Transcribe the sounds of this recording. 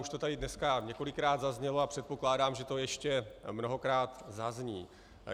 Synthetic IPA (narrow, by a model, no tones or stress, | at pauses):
uʃt̪o̞t̪adɪdnɛskaɲɛko̞lɪkːɾaːt̪zazɲɛloapr̝̥ɛt̪̚po̞klaːdaːmʒɛt̪o̞jɛʃcɛmno̞ɦo̞kɾaːt̪zazɲiː